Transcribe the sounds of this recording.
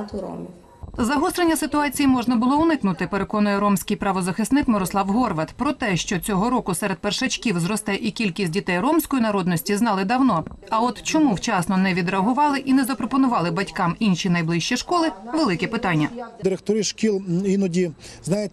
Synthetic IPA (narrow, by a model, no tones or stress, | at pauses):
m | zɐɦɔst̪ɾenʲːɐsɪt̪ʊɑt͡sʲijimɔʒnɐbʊlˠɔʊnɪknʊt̪ɪpeɾe̞kɔnʊjɛɾɔmsʲkɪjpɾɐʋɔzɐxɪst̪nɪkmeɾɔslˠɑwɦɔrʋɐt̪pɾɔt̪ɛʃt͡ʃɔt͡sʲɔɦɔɾɔkʊsɛɾed̪̚perʃɐt͡ʃkʲiwzɾɔst̪ɛʔikʲilʲkʲisʲt̚ʲdʲit̪ɛjrɔmsʲkɔjinɐɾɔd̪nɔsʲtʲiznɑlˠɪd̪ɐwnɔɐɔt̪t͡ʃɔmuwt͡ʃɑsnɔnɛʋʲid̪ɾeɐɦʊʋɑlˠɪʔinɛzɐpɾɔpɔnʊʋɑlˠɪbɐtʲkɑminʃʲinɐjblˠɪʃʲt͡ʃiʃkɔlˠɪʋelˠɪkɛpɪt̪ɑnʲːɐd̪ɪɾekt̪ɔɾiʃkʲilˠinɔdʲi | znɑjetʲ